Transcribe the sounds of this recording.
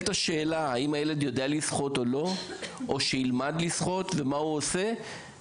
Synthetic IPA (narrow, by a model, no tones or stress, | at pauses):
t̪aʃe̞ːlahaimajele̞djo̞dealisχo̞to̞lo̞oʃeilmadlisχo̞t̪ve̞mauose̞